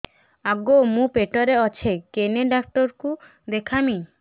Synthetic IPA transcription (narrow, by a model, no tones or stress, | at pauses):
aɡomũpeʈɔɾeɔt͡ʃʰekeneɖap̚ʈɔɾku | d̪ekʰami